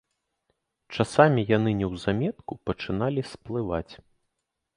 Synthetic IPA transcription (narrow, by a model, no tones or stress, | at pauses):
t͡ʂasamʲijan̪ɨnʲɛwzamʲɛt̪̚kupɐt͡ʂɨn̪alʲisplˠɨvat͡sʲ